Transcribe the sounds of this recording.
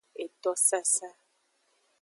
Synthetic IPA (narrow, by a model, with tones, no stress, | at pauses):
e˨t̪ɔ˦sa˦sa˦